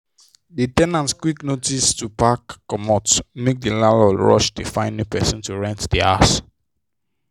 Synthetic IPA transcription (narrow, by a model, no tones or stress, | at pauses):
ditɛ̃nãntkwiknotistupakːɔmɔtmek̚dilalɔlɹɔ̰ʃdifãɪ̃nːipɛsɔ̃ntuɹɛ̃ntdia̰s